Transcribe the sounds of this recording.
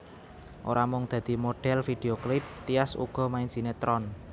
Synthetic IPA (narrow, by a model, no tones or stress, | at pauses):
ʔo̰ɾamʊŋd̪̥ä̤d̪̥i̤moɖ̥ɛlfid̪̥eoklɪp̚t̪ijasṵɡ̥ɔ̤maɪnd͡ʒ̥inet̪ɾɔn